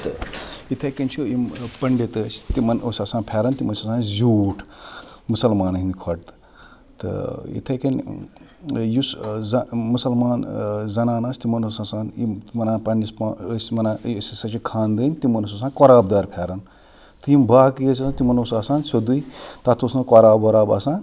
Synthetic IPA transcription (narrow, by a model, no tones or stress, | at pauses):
t̪ɨit̪ʰɐkɐnt͡ʃʰijimpɐɳɖet̪ɨst̪imɐnosʲaːsaːnpʰʲeːɾɐnt̪imɐnsaːsaːnzʲuːʈʰmusɐlmaːnɦind̪ikʰɐʈ̚t̪ | t̪ɨ̰ḭt̪ʰɐkɐnʲ | juszɐmusɐlmaːnzɐnaːnasʲt̪imɐnosaːsaːnjimɐnaːpɐɳispːsmɐnaːsɐsɐt͡ʃʰikʰaːnd̪ɨnʲt̪imɐnos̬aːs̬ãːnkɔɾaːbd̪aːɾpʰeːɾɐn | t̪ɨjimbaːkjəsasãt̪imɐnosaːsaːnsod̪ujt̪at̪ʰusnɐkɔɾaːboɾaːbaːsãːn